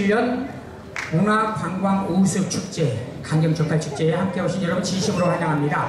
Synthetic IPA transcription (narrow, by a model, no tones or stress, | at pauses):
ʎːʌn | oŋakaŋɡwaŋosʰɯk̚t͡ɕʰuk̚t͡ɕ͈e | kaŋɡʌŋt͡ɕʰʌk̚pʰaɭt͡ɕʰu̥k̚t͡ɕ͈eehamk͈e̞ɦoɕʰinjʌɾʌbunt͡ɕiɕʰimɯɾopaɲaŋɦamɲida